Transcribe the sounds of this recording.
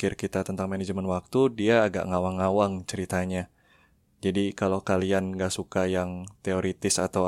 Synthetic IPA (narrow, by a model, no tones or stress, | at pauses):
kɪrkit̪at̪ənt̪aŋmaned͡ʒəmənwak̚t̪udiaːɡa̰ʔŋawaŋːawaŋt͡ʃəɾit̪aɲa | d͡ʒadikalokalianŋɡaʔsukajaŋt̪eoɾit̪ɪsat̪aw